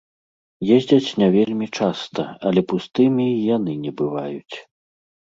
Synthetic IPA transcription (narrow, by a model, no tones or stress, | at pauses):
jezʲd͡zʲɐt͡sʲnʲɛvʲelʲmʲit͡ʂast̪ɐɐlʲɛpust̪ɨmʲijanɨnʲɛbɨvajut͡sʲ